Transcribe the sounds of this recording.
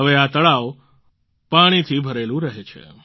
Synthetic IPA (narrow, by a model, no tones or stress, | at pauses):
əʋeat̪əɭaʋ | paɽ̃it̪ʰibʱəɾelũɾəɦet͡ʃʰḛ